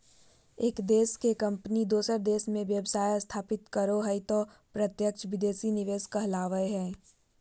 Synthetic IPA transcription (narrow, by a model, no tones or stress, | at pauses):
eːkd̪eːskekɐ̃mpnid̪oːsəɾd̪eːsmẽʋjəbsaːjst̪ʰaːpɪt̪kəɾoɦɐit̪ɔː | pɾɐt̪jəkt͡ʃʋɪd̪eːsinɪʋeːskɐɦlaːʋəeɦɛ̃ː